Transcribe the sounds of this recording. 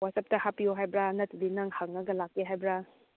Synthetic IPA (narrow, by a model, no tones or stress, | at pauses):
watsɐp̚tɐhapijoɦajbɾanɐtudinaŋhaŋnɐɡɐlakːeɦajbɾa